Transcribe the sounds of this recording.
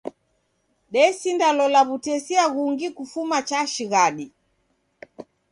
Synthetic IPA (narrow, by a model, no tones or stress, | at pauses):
ɗɛsindalɔlaβutɛsiaɣuŋɡikufumat͡ʃaʃiɣaɗi